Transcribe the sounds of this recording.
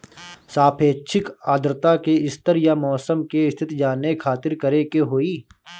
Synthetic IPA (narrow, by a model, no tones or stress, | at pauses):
saːpʰeːʃʰɪkaːd̪ɾɪt̪akeɪst̪əɾjamɔːsəmkeɪst̪ʰɪt̪d͡ʒaːnekʰaːt̪ɪɾkɐɾekeɦoːiː